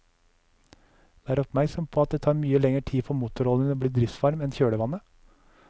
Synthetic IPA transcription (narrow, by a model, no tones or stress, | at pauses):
d̪æːɾɔpmæɾksɔmpʰoːɑt̪̚d̪eːt̪ʰɑːɾmyːəlɛŋəʈʰiːfɔmuːt̪ʊɾɔlənoːblɽiːd̪ɾɪft̪ʋɑɾmɛnçøːɽəʋɑnə